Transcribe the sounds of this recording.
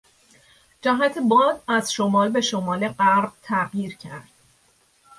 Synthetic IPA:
d͡ʒæɦæt̪ʰebɒːd̪æz̥ʃo̞mɒːlbe̞ʃo̞mɒːle̞ɢæɾb̥̚t̪ʰæɢjiːɾcʰæɾd̪̥

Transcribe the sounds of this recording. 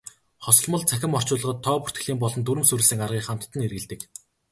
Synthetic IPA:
χɔsɞ̆ɮmɞ̆ɮt͡sʰæxʲɪ̆mɔr̥t͡ɕʊːɮ̆ʁɞ̆t̪ʰːɔːpu̥r̥t̪ɡɘ̆ɮiːmpɔɮɞ̆nt̪uɾɘ̆msuɾɘ̆ɮsɘ̆ŋarʁiːχam̥t̪̆t̪ʰːə̆nerɣɘ̆ɮt̪ɘ̆k

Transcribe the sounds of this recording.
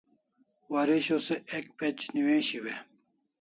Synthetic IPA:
wɐɾiɕoseek̚pet͡ɕniwẽɕiwe

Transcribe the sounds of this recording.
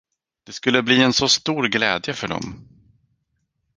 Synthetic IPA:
d̪̥ɛskɵlːəbliːɛnsɔst̪uːɾɡlɛ̰ːd̪jəfœɖɔ̰m

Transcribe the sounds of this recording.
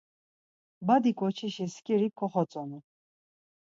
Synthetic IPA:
bad̪ikʼɔt͡ʃʰiʃiskʼiɾikʰɔχɔt͡sʼɔni

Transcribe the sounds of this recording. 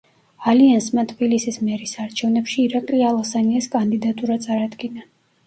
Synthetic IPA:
aliansmat̪ʰbilisismɛɾisaɾt͡ʃʰɛvnɛpʃiːɾakʼlialˠasaniaskʼand̪id̪at̪ʼuɾat̪sʼaɾad̪ɡina

